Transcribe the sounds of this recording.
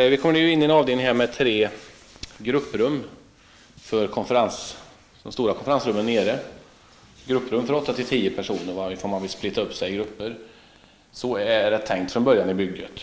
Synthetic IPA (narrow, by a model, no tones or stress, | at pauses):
vɪkʰɔmːəɖɛjɵɪnːɪɛnɑːvd̪eːlɪŋɦæːɾmɛt̪ʰːɾeː | ɡɾɵpːɾɵmː | fœɾkʰɔnfəɾans | d̪̥ɔmst̪uːɾakʰɔnfəɾansɾɵmːənːeːɾə | ɡɾɵpːɾɵmːfœɾɔt̪ːat̪ʰɪlt̪ʰiːjəpʰæʂuːnəɾvaɪfoːɾmanvɪsplɪt̪ːaɵpːsɛjɡɾɵpːəɾ | sɔæɾɛt̪ʰːɛŋkt̪fɾɔnbœɾjanɪbʏɡːət̪